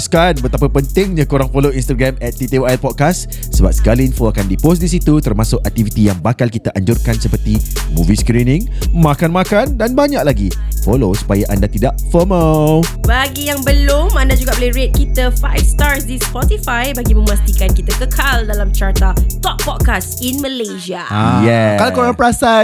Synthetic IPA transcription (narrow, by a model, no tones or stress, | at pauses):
skanbət̪ap̬əpənt̪ɪŋɲãkoɾaŋfoloinst̪aɡɾɛmɛt̪̚ːit̪eɛlpɔt̪̚kas | səba̰p̚sə̥kalinfoakandipos̬disit̪ut̪ərmasʊkak̚t̪ivit̪ijaŋbakalkit̪aʔaɲd͡ʒʊrkansəpərt̪imṵ̃viskɾinɪ̃ŋmãkanmãkandanbaɲaʔlaɡifolosu̥pajaʔandat̪idaʔfəməbaɡijaŋbəlʊmãndad͡ʒuɡaʔbolɛhɹet̪̚kit̪əfa̰jfst̪aɹsdispɔt̪ifajbaɡimə̃mast̪ikankit̪akəkʰaldalamt͡ʃart̪at̪ɔpːɔt̚kas | inməleʃiaajɛkalakoɾaŋpəɾasa